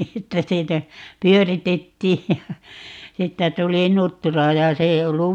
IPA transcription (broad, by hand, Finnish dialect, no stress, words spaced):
etːæ siːnæ pyøritetːiːj jɑ siːtːæ tuli nutːurɑ jɑ se ei olːu